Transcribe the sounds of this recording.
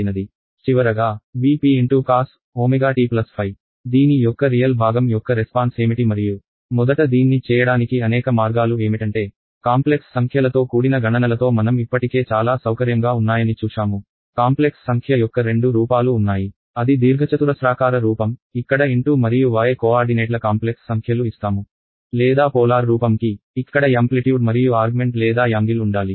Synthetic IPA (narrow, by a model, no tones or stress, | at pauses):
nɐd̪i | t͡ʃiʋɐɾɐɡaːʋiːpiːeɳʈuːkaːs | oːmeɡaːʈiːplɐspʰɐj | d̪iːnijɔkːɐɾijɐlbʱaːɡɐmjɔkːɐɾespaːnse̞ːmiʈimɐɾiju | mɔd̪ɐʈɐd̪iːnːit͡ʃɛːjɐɽaːnikiɐnɛːkɐmaːɾɡaːlue̞ːmiʈɐɳʈe̞ː | kaːmpleksːɐŋkʰjɐlɐt̪o̞ːkuːɽinɐɡʱɐɳɐnɐlɐt̪o̞ːmɐnɐmipːɐʈike̞ːt͡ʃaːlaːsɐwkɐɾjɐŋɡaːunːaːjɐnit͡ʃuːʃaːmu | kaːmple̞ksːɐŋkʰjɐjɔkːɐɾe̞ɳɖuɾuːpaːluːnːaːji | ɐd̪id̪iːɾɡʱɐt͡ʃɐt̪uɾɐsɾaːkaːɾɐɾuːpɐmikːɐɽɐiɳʈuːmɐɾijuʋaːjekoːaːɾɖineːʈlɐkaːmple̞ksːɐŋkʰjɐluist̪aːmu | lɛːd̪aːpɔːlaːɾɾuːpɐmkiikːɐɽɐɐmpliʈjuːɖmɐɾijuaːɾɡume̞ɳʈlɛːd̪aːjaːŋɡiluɳɖaːli